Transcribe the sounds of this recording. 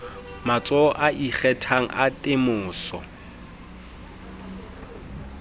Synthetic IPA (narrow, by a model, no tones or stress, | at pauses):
mat͡sʼɔʔaʔik͡xɛtʰaŋ̩ʔa̰tʼɪmʊːsɔ̰